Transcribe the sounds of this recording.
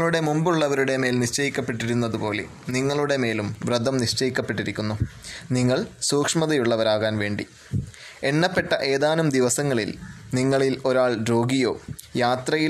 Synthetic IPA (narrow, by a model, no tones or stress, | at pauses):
ɭuɽe̞mumbuɭːɐʋɐɾuɽe̞meːlniʂt͡ɕɐjikʲːɐpːe̞ʈːiɾunːɐðupo̞ːlḛ | niŋːɐɭuɽe̞me̞ːlumʋrɐd̪ɐmniʂt͡ɕɐjikʲːɐpːe̞ʈːiɾikʲːunːuniŋːɐɭsuːkʂmɐðɐjuɭːɐʋɐɾaːɣaːnʋe̞ːɳɖḭ | e̞ɳːɐpːeʈːɐʔe̞ːðaːnɐmd̪iʋɐsɐŋːɐɭḭlniŋːɐɭilo̞ɾaːɭɾo̞ːɡijo̞ːjaːt̪rɐjil